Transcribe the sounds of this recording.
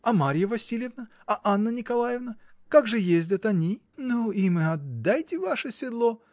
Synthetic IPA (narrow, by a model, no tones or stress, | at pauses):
ɐmaɾʲɪjəvɐsʲilʲɪvnə | ɐʔanːənʲɪkɐlˠajɪvnəkaɡʐɨjezʲdʲɐt̪ɐnʲi | nuimɨɐd̪ːajtʲɪvaʂəsʲɪd̪lˠo